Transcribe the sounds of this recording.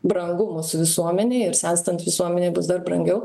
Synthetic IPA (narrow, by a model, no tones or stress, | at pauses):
bɾɐŋɡʊmʊsʊʋʲɪsuɔmʲɛnʲeɪɪɾsʲæːst̪ɐnt̪ʋʲɪsuɔmʲɛnʲeːbʊsd̪ɐrbɾɐŋʲɡʲɛʊ